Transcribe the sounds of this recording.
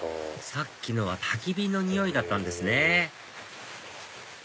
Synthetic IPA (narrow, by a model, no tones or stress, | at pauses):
sakʲːino̞β̞at̪ʰakʲibʲino̞ɲ̟ijo̞id̪at̪ːãnd̪e̞sɨne